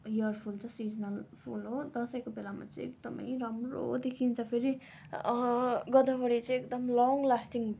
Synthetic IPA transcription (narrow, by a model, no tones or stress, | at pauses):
jʌrpʰult͡sʰʌsid͡zʌnʌlpʰulɦod̪ʌsʌjkobelama̰t͡sʌj̃ekd̪ʌmʌ̰jrʌmro̰d̪ekʰint͡sʰʌpʰeɾi | ɡʌd̪ʌbʌɽit͡sʌ̃j̃ekd̪ʌmlɔŋlasʈiŋ